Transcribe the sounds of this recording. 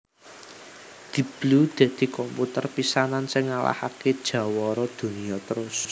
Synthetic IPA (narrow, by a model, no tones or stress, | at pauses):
d̪̥i̤b̥lud̪̥e̤d̪̥i̤kɔmput̪ərpisanansɪŋːala̰haked̥ʒ̥ä̤wɔɾɔd̪̥ṳniɔt̪əɾʊs